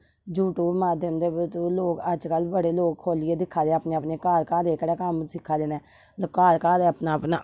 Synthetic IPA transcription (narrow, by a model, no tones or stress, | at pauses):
d͡ʒuːʈuːbmaːd̪jəmd̪eːbət̪uːloːkəd͡ʒkəlbəɽeːloːkkʰoːlɪeːd̪ɪkʰːaːd̪eːpneːəpneːkaːlkaːd̪eːkəɽɛːkəmsɪkʰːaːd̪eːnɛː | kaːlkaːd̪eːəpnaːpnaː